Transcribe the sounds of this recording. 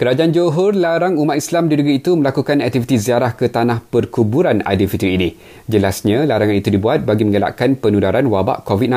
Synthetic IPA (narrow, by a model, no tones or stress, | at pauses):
kəɾad͡ʒaʔand͡ʒoɦɔrlaɾaŋumat̪islamdidəɡɾiːt̪umə̃lakukanɛk̚t̪ifit̪iziaɾahkət̪anãhpərkubuɾana̰difit̪ɾiːni | d͡ʒəlasɲãlaɾaŋãnit̪udibuat̪̚baɡimə̃ŋəla̰ʔkanpənudaɾanwaba̰ʔkovit̪̚nã